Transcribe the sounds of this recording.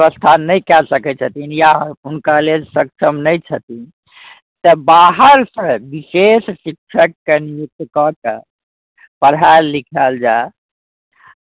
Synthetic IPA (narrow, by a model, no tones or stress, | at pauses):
əst̪ʰanəjkɛlsəkɛt͡ʃʰət̪injaɦunkalelsək̚t͡ʃʰəmnəjt͡ʃʰət̪in | t̪əbaɦəɾsə̃bisessik̚t͡ʃʰəkːenijuk̚t̪kɔke | pəɾɦaɾlikʰəld͡ʒae